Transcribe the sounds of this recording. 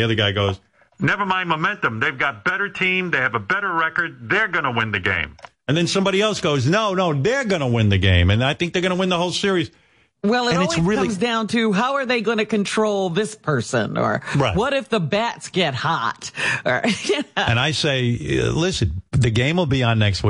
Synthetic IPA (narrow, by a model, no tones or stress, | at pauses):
iʌðə˞ɡaɪɡoʊz̥ | nɛvə˞mãɪ̃nmomɛ̃ntə̃mðeɪvɡɑt̚b̥ɛɾə˞tʰĩmðeɪɨvəbɛɾə˞ɹɛkə˞d̪̚ðə˞ɡʌñəwɪ̃nðɨɡḛ̃ɪ̃m | ɨ̃nðɨ̃nsʌ̃mbɑɾiɛlˠsɡ̥oʊznoʊnoʊðə˞ɡʌnəwɪ̃nðɨɡẽɪ̃mɨ̃naɪθɪ̃ŋk̚ðə˞ɡʌñəwɪ̃nðəhoʊlˠsɪɹiz̥ | wɛlˠəɨ̃nɨtsɹɪlʌĩmzdãʊ̃ntʰɨɦaʊə˞ðeɪɡoɪ̃nɨkɨ̃ntʰɹ̥oʊlˠðɪspʰɜ˞sɨ̰̃nə̰˞ɹaɪwʌɾɨfðəbætsɡ̥ɛt̚hɑt̚ə̰˞ɨ̃naɪseɪlɪsɨ̃nðɨɡẽɪ̃mwəlˠbiə̃nːɛkst̚wi